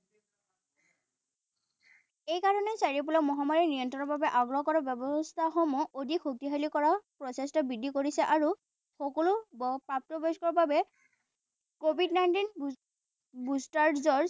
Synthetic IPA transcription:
ejkaɹɔnɛsaɹip̬ulɔkmɔɦamaɹinijɔntɹɔnɔɹbabɛʔaɡɹɔkɔɹɔbjɔbɔst̪ʰaxɔmɔodʱikxuk̚tiɦalikɔɹapɹɔsestɔbidʱːikoɹisɛʔaɹu | xɔkɔlʊbpap̚tɔbɔskɔɹɔbabɛ | kobʱidnajntin | bustaɹzɔɹ

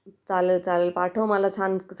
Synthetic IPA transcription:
t͡salelt͡salelpaʈʰəwməlat͡sʰant͡s

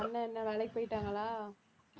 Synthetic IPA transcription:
ɐnːɐɛnːɐʋɛlɐɪk̚poːjɪʈːaːŋɡɐlaː

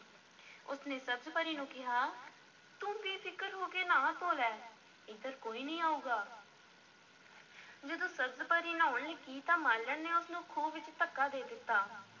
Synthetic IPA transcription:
ʊsneːsəbzpəɾiːnũːkɪɦaː | t̪ũːpiːpʰɪkəɾɦoːkeːnãːt̪oːlɛː | ɪd̪əɾkoːiːnəĩːaːuːɡaː | d͡ʒəd̪õːsəbzpəɾiːnãːʊɳleːkiːt̪ãːmaːlːənneːʊsnũːkʰuːbʋɪt͡ʃt̪əkːaːd̪eːd̪ɪt̪ːaː

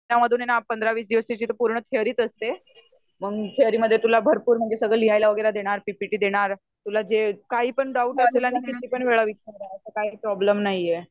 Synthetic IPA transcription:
aməd̪ʱuːnanapənd̪ɾaʋiːsd̪iʋəset͡ɕiːt̪opuɾɳət̪ʰeəɾiːt̪əst̪e | məɡt̪ʰeəɾiːməd̪ʱːjet̪ulabʱəɾpuːɾm̤əɡd͡ʑesəɡɭəliɦajlaʋəɡəjlad̪eɽ̃aɾpipiʈiːd̪eɽ̃aɾ | t̪ulad͡ʑekaɦiːpəɳɖauʈəslelanikit̪iːpəɳʋeɭaʋit͡ɕəmd̪aəsəkaɦiːpɾɔbləmnaɦie

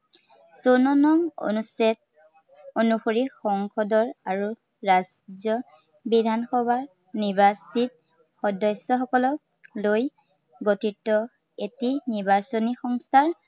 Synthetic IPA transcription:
sɔnɔnɔmo̰nusɛt̚ | onuxoɹixɔŋkɔdɔɹaɹu | ɹaz | zjɔ | bidʱanxɔbʱaɹ | nibasit̚ | xɔdɔsɔxɔkɔlɔ | loj | ɡotitːɔ | etiniɹbasonixɔŋstʰaɹ

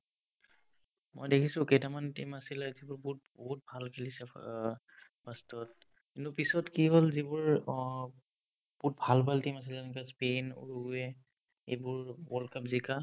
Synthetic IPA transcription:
mɔ̰jdekʰisʊ̃kejtamantimasilɛzibʊɹbt̚bɔɦut̚bʱalkʰilisɛ | b̥astɔt̚ | kintupisɔtkiɦolzibʊɹ | but̚bʱalbʱaltimas̬ilɛnɛkaspenṵɹuɡuɛ | ḛbʊɹwɔlkapzika

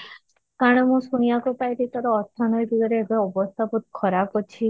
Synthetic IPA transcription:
kaɽ̃ɔmũsuñijakupajɾit̪ɔɾɔːt̪ʰːɔnɔjbʱiɡ̪ɔɾeːɡɔɔbɔst̪ʰaput̪̚kʰɔɾapɔt͡ʃʰi

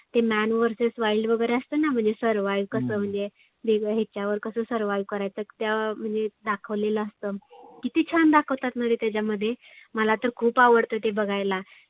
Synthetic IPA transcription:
t̪emænʋəɾsesʋaiɭɖʋəɡəjɾeəst̪ənam̤əɳd͡zesəɾʋajʋkəsəːm̤əɳd͡ze | b̪eɡɦet͡ɕjaʋəɾkəsəːsəɾʋajʋkəɾajt͡səːki̥t̪jam̤əɳd͡zed̪akʰəʋleləəst̪əkit̪iːt͡ɕʰand̪akʰəʋt̪at̪nad̪it̪jad͡ʑaməd̪ʱːje | məlat̪əɾkʰuːpaʋəɽt̪ət̪ebəɡajla

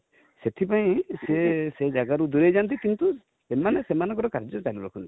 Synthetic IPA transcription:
set̪ʰipaj̃sesed͡ʒaɡaɾud̪uɾejd͡ʒant̪̬ikint̪u | emanesemanɔŋkɔʈɔkaɾd͡ʒɔt͡ʃaluɾɔkʰunt̪i̥

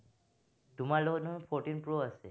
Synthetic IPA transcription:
ɖʱumalononfʰɔɾʈinpɾoəʃe

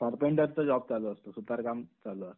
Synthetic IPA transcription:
paɾpoɳʈəɾt͡səd͡ʑɔb̚t͡saloəst̪osut̪aɾkamt͡saloəst̪

